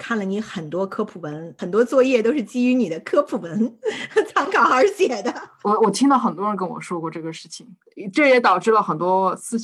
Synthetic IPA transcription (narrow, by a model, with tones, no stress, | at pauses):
kʰa˥˩nlə˩ni˧˥xə˨˩nt̪wɔ˥kʰɤ˥pʰu˨˩wə˧˥nxə˨˩nt̪wɔ˥t͡swɔ˥˧jɛ˥˩t̪o˥ʊʂɻ̩˥˩t͡ɕi˥y˧˥ni˨˩d̪ə˦kʰɤ˥pʰu˨˩wə˧˥n˥t͡sʰɑ˧˥ŋkʰɑ˨˩ʊə˞˧˥ɕjɛ˨˩d̪ə˦wɔ˨˧˩wɔ˨˩t̪ʰi˥ŋt̪ɑ˥˩xə˨˩nt̪wɔ˥ə˧˥nk̬ə˥nwɔ̰˨˩ʂwɔ˥kwɔ˥˧ʈ͡ʂɤ˥˩ɡə˩ʂɻ̩˥˩t͡ɕʰi˩ŋ˧ | ʈ͡ʂɤ˥˩jɛ˨˧˥t̪ɑ˨˩ʊʈ͡ʂɻ̩˥˩lə˩xə˨˩nt̪wɔ˥sɹ̩˥˧